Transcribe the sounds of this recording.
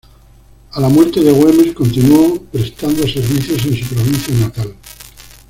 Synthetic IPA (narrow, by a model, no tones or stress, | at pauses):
alamwe̞ɾt̪e̞ðeɣwe̞me̞sko̞nt̪inuopɾe̞st̪and̪ose̞ɾβiθjos̬ẽ̞nsupɾoβ̞in̟θjanat̪al